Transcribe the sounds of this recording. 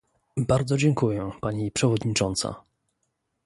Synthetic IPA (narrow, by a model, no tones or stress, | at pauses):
baɾd̪zɔd͡ʑɛŋkujɛpaɲipʂɛvɔd̪ɲit͡ʂɔnt̪sa̰